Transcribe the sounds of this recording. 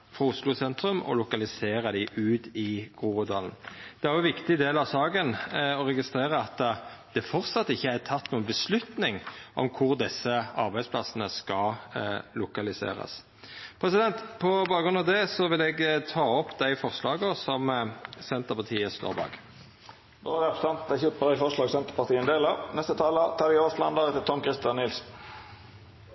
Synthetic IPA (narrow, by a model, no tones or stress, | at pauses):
fʁɑʊslʊsɛnt̪ɾʉmɔ̰lʊkɑlɪseːɾəd̪æɪʔʉːt̪ɪɡ̥ʁuːəd̪ɑːlnd̪̥ɛæɾʁjɔʋɪkt̪ɪd̪eːlɑʋsɑːɡənɔʁɛɡɪst̪ɾeːɾəɑt̪ːd̪̥ɛfɔʁt̪sɑt̪ːɪçːəæt̪ʰɑt̪ːnuːənbəslʉt̪nɪŋʔɔ̰mkʰʊʁd̪ɪsːəɑʁbæɪspʰlɑsənəskɑ | lʊkɑlɪsḛːɾɑ̰s | pʰʁɛsɪd̪ɛnt̪pʰɔbɑːɡɡʁʉnɑʋd̪ɛsɔʋɪlɛɡt̪ʰɑːɔpːd̪æɪfɔʁslɑːɡəsɔmsɛnt̪əʁpɑʁt̪ʰiːəst̪o̰ːʁbɑ̰ːɡ | d̪oːæɾɛpɾəsɛnt̪d̪æçøpəʁɪfɔʁʂlɑːɡsɛnt̪ə̥pɑʁt̪ʰiːənd̪eːlənɛst̪ət̪ʰɑːlət̪ʰɑːʋɪoːslɑnd̪ɑɾɛt̪ət̪ʰɔmkʰɾɪst̪jɑnːɪls